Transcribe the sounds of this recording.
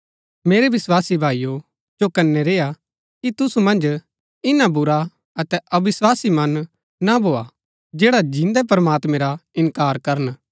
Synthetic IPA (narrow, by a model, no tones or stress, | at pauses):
meːɾeʋɪswaːsibʱaːijo | d͡ʒokɐnːɛɾeːa | kit̪ʊsumɐ̃nd͡ʒ | ɪnabʊɾa | ɐt̪ɛʔɐʋɪswaːsimɐ̃nː | abʱoːa | d͡ʒeːɽad͡ʒɪ̃nd̪ɛp̬ɾɐmaːt̪mɛ̃ɾaɪ̃nkaːɾkɐɾən